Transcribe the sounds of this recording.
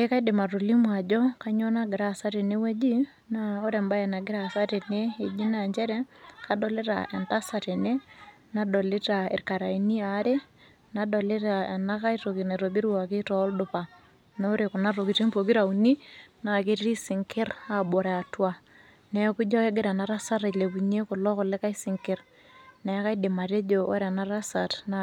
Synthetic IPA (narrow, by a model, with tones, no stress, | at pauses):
e˦ka˦i˦de˨ma˨ro˨li˦mwa˨d͡ʒɔ˦ka˦ɲɔ˦na˦ɡɪ˨ɾa˦˨sa˦te˨ne˦we˦d͡ʒi˦ | na˦o˦ɾe˨mba˦jɛ˨na˨ɡɪ˦ɾa˨sa˦te˨ne˦e˨d͡ʒi˦na˨ɲd͡ʒɛ˦ɾɛ˦ka˦dɔ˨le˦ɾa̰˨ɛ˨nta˦sa˨te˨ne˦ | na˦dɔ˨le˦ta˨ḛ˨ɾka˨ɾa˨i˦ni˦a˨˦ɾe˦ | na˨dɔ˨le˦ɾa˨ɛ˨na˦ka˦i˦to˨ki˨ne˨ɾo˨bi˦ɾwa˨ke˦tɔ˦ldʊ˨pa˨ | no˦ɾe˨kʊ˨na˦ɾo˨ki˨ti˦mpo˨ki˦ɾa˨u˨ni˦na˨ke˦ɾi˦sɪ˨ŋkɪ˦ra˨bo˨ɾe˨a˨twa˨ | nɛ˨ku˦d͡ʒɔ˦ke˦ɡɪ˦ɾa˨na˨˦ɾa˦sa˦ɾa˨le˨bu˨ɲe˦kʊ˨lɔ˦kɔ˨le˦ka˦i˦sɪ˨ŋkɪ˦ɾ | nɛ˨˦ka˦i˦de˨ma˨ɾe˦d͡ʒo˨o̰˦ɾa˨na˦ɾa˦sa˨tna